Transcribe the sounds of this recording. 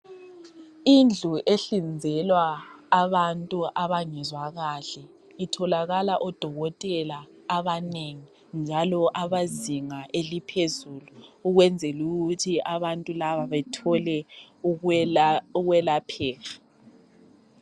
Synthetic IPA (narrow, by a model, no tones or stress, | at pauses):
ind͡ɮʱuʔeɬind͡zʱɛlwaːβantʼuʔaβaŋɛzwaɣaɬɛ | itʰɔlaɣalaʔɔd̥ʱɔɣɔtʼɛlaː | βaneŋi | nd͡ʒʱalɔʔaβaziŋaʔelipʰezuːluːɣwɛnd͡zʱɛluɣutʰiʔaβantʼulaβaβɛtʰɔlɛ | uɣwɛlapʰɛːɣa